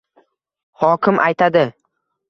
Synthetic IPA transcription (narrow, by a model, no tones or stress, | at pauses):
hɒkʲɪmʔajt̪ʰad̪ɪ